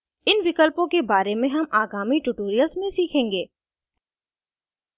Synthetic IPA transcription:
ɪnʋɪkəlpõkebaːɾemẽɦɐmaːɡaːmiʈʊʈoːɾijəlsmẽsiːkʰẽːŋɡeː

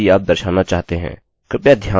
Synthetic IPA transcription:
iaːp̚d̪əɾʃaːnat͡ʃaːɦt̪eɦɛ̰̃ː | kɪpjad̪ʱjaː

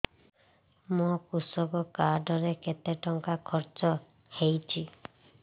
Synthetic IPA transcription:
mokusɔkɔkaɾɖɔɾeket̪eʈɔŋkakʰɔɾt͡ʃɔ | hejt͡ʃʰi

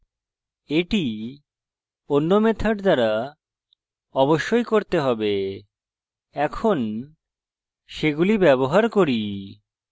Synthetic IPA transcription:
eʈi | onːomet̪ʰaʈd̪aɾa | ɔboʃːojkoɾt̪eɦɔbe | ɛkʰon | ʃeɡulibɛβoɦaɾkoɾi

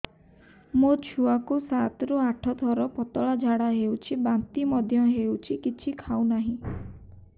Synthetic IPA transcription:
mot͡ʃʰuakusat̪ɔɾuaʈʰɔt̪ʰɔɾɔpɔt̪ɔɭad͡ʒʱaɽaɦewt͡ʃʰibant̪imɔd̪ʱjɔɦewt͡ʃʰikit͡ʃʰikʰaunaɦĩ

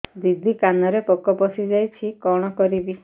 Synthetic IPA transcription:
d̪id̪ʱikanɔɾepɔkɔpɔsid͡ʒajt͡ʃʰikɔɽ̃ɔkɔɾibi

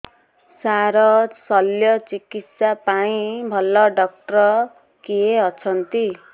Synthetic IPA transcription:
saɾʌsʌljʌt͡sikit̪sapaĩbʱʌlːʌɖʌk̚ʈrʌ | keɦʌt͡sʰʌnt̪i

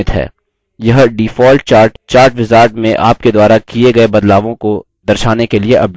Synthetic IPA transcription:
ɪt̪ɦɛ̰ː | jɐɦɖiːfɔːlʈ̚t͡ʃaːɾʈt͡ʃaːɾʈʋɪzaːɾʈmẽʔa̰ːp̚ked̪waːɾakieɡɐebɐd̪laːʋõko | d̪ɐɾʃaːnekelieʔɐb

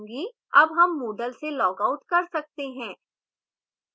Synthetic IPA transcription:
ɡi | ɐbɦɐmːoːɖəlselɔːkaʊʈkɐɾsɐk̚t̪eɦɛ̃ː

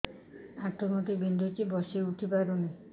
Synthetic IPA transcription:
at̪ʰɔmɔt̪ibind̪ʱɔt͡ʃibɔseuʈʰipaɾuna

